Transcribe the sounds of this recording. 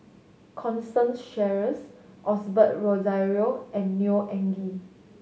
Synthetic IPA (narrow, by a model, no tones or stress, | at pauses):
kʰɔ̃nstə̃nsʃɛɹəsʔɔsbət̚ɹɔzajɹioɛ̃nːjuʔɛ̃ŋɡi